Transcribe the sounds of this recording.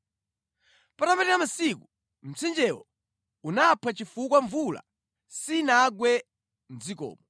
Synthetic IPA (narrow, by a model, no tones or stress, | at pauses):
patapɛtɛɾam̩siku | m̩t͡sʰind͡ʒɛwɔ | unapʰat͡ʃifukwaɱvula̰ | sinaɡwɛ | n̩d͡zikɔ̰ːmɔ